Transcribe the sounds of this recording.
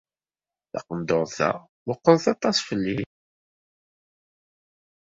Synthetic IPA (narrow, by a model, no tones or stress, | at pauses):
θɑ̰qənd̪oɾˤθæ̰ | wʊqːəðθɑt̪ˤɑsfəlːi